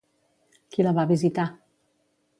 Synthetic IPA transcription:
kiləβaβizit̪a

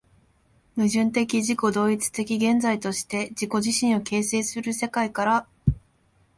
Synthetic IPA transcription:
mɯ̟ʑɨ̃nt̪e̞kʲiʑiko̞d̪o̞ːit͡sɨ̥t̪e̞kʲiɡẽ̞nd͡zait̪o̞ɕi̥t̪e̞d͡ʑiko̞ʑiɕĩɰ̃o̞ke̞ːse̞ːsɨɾɯ̟se̞kaikaɾa

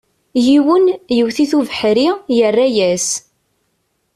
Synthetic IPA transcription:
jiwənjəwθiθuvəħɾijərːæjæs

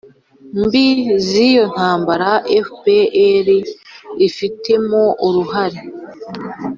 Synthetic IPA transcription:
mbizijo̞n̥haːmbaɾaʔefpeeɾiː | fitʰe̞mo̞ʔuɾuhaɾe

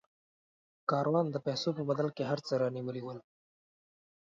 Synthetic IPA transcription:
kɑɾwɑnd̪əpɛsopəbad̪alkeɦaɾt͡səɾɑniwəliwəl

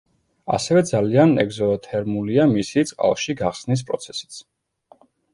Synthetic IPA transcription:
a̰sɛvɛd̪zalianɛ̰ɡzɔt̪ʰɛɾmuliamisit̪sʼqʼa̰lˠʃiɡaχsnis̬pʼɾɔt̪sʰɛ̥si̥t̪sʰ

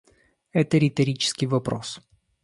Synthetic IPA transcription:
ɛt̪əɾʲɪt̪ɐɾʲit͡ɕɪ̥skʲɪjvɐpɾo̰s

